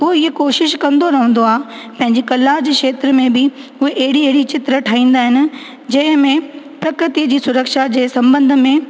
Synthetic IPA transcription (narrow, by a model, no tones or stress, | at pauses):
ɦoikoːʃɪʃkɐ̃nd̪oɾɐɦə̃nd̪oaː | pɐ̃ɦɪ̃ɲd͡ʑikɐlad͡ʑeːʃeːt̪ɾəmẽbɪʊɦeʔɐɦɪɽieɦɪɽit͡ɕɪt̪ɾəʈʰaːĩːn̆d̪aːɦɪnɪ̆ | d͡ʑɐ̃ɦɪ̃mẽ | pɾɐkɾɪt̪id͡ʑiːsʊɾəkʃad͡ʑeːsɐ̃mbə̃nd̪ʱə̆mẽ